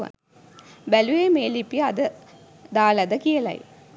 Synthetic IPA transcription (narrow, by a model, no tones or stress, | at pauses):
ʋa̰n | bælujeːmeːlipiəad̪ə | d̪aːlɐd̪əkijəlɐ̰j